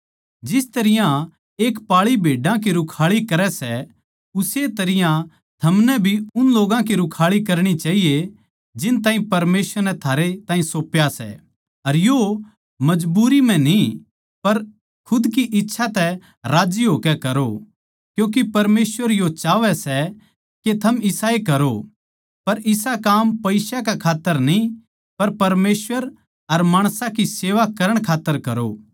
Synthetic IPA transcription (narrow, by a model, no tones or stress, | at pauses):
d͡ʒɪst̪ɐɾɪjã | eːkpaːɭibʱeːɖãk̬iɾʊkʰaːɭikɐɾɛsɛ | ʊset̪ɐɾɪjã | t̪ʰɐmnɛbʱiʊnloːɡãkiɾʊkʰaːɭikɐɾɽ̃it͡ʃaːɦije | d͡ʒɪnt̪ãːĩpɐɾmeːsʋəɾnɛt̪ʰaːɾet̪aːɦĩsoːpjasɛ̰ | ɐɾjo | mɐd͡ʒbuːɾimɛ̃ni | pɐɾ | kʰʊd̪k̬iʔɪtːʃʰat̪ɛ | ɾaːd͡ʒiɦoːkɛkɐɾo | kjõːk̬ipɐɾmeːsʋəɾjot͡ʃaːʋɛsɛ | ket̪ʰɐmɪsaːekɐɾo | pɐɾʔɪsakaːmpɐɪsakakʰaːt̪ːəɾnĩ | pɐɾpɐɾmeːsʋəɾ | ɐɾmaːɽ̃sãkiseːʋakɐɾəɽ̃kʰaːt̪ːəɾkɐɾo̰